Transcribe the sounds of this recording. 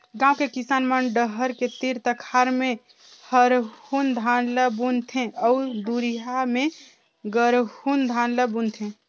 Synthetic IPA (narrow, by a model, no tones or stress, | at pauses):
ɡãũkekisaːnmənɖəɦəɾket̪iɾt̪əkʰaɾme | həɾhund̪ʱanləbunt̪ʰẽʔɔud̪uɾijame | ɡəɾhund̪ʱanləbunt̪ʰẽ